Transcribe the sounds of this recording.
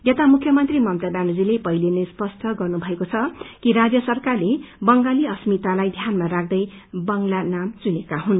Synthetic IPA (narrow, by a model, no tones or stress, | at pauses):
jet̪amukʰjʌmʌnt̪rimʌmt̪abanud͡zilepʌɦilenespʌst̪ʰʌɡʌrnubʱʌekot͡sʰʌkiɾad͡zjʌsʌrkarlebʌŋɡaliʌsmit̪alajd̪ʱjanmaɾak̚ʰd̪ʌjbʌŋlanamt͡sunekaɦun